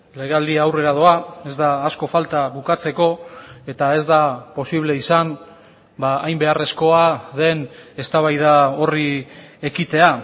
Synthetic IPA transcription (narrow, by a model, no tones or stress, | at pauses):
le̞ɣald̪iawre̞ɾað̞oae̞zd̪aːsko̞falt̪aβukat͡se̞ko̞e̞t̪ae̞zd̪apo̞siβle̞isam | baːjmbe̞are̞sko̞aðe̞ne̞st̪aβajð̞ao̞rie̞kit̪e̞a